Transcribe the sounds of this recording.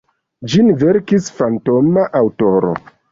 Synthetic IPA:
d͡ʒinveɾkisfantomaʔawto̞ɾo̰

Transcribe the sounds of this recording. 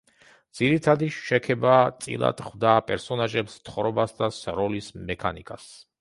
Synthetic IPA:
d̪z̥iɾit̪ʰad̪iʃɛkʰɛbat̪sʼḭlˠa̰d̪χwd̪aːpʼɛɾsɔnaʒɛpst̪ʰχɔɾɛbasd̪asɾɔlismɛkʰa̰nikʼas

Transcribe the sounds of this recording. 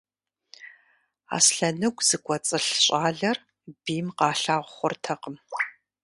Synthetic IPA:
a̰ːsɬɐnɨɡʷʼz̥ɨkʷʼɔt͡sʼɨɬɕʼaːɮɐr | biːmqɑːɬaːʁʷʊχʷʊrtʰɐqəm

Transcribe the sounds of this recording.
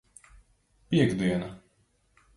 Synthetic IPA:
piɛɡd̪iɛna

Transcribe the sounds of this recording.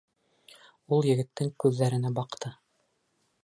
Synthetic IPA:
ulˠjɘ̆ɡɘ̆t̪ːɘŋkʉðːæɾɘ̆næbɑqt̪ʰɤ

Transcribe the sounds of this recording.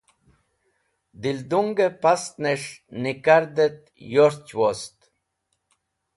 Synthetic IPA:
d̪ild̪uŋɡɛpast̪nɛʃnikaɾd̪ɛt̪̚ | jɔɾt͡ʃwɔst̪

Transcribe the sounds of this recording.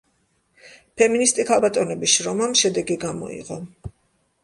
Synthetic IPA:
pʰɛminist̪ʼikʰalˠbat̪ʼɔnɛbiʃɾɔmamʃɛd̪ɛɡiɡamɔ̰ḭʁɔ

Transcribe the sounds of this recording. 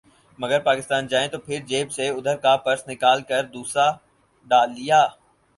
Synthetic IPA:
mɐɡəɾpaːkɪst̪aːnd͡ʒaːẽt̪opʰɪɾd͡ʒeːbseʊd̪ʱəɾkapɐɾsnɪkaːlkəɾd̪uːsɾa | ɖaːlːijaː

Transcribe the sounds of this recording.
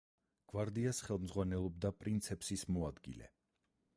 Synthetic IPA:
ɡ̥waɾd̪iasχɛlˠmzʁwanɛlˠɔb̚d̪apʼɾint̪sʰɛpsismɔad̪ɡḭlɛ̰

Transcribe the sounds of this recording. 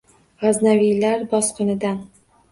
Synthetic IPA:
ʁaznavijlaɾbɒsqʊnɪd̪an

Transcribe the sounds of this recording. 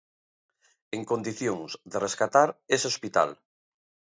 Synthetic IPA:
eŋkond̪iθjõŋzðereskat̪aɾeseospit̪a̰l

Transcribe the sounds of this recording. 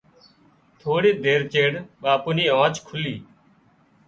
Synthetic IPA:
t̪ʰoːɽiːd̪eːɾt͡ʃeːɽɓaːpʊniːãːt͡ʃkʰʊliː

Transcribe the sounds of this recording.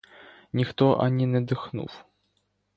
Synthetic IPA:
nʲixt̪ɔʔa̰nʲinʲɛd̪ɨxnṵw

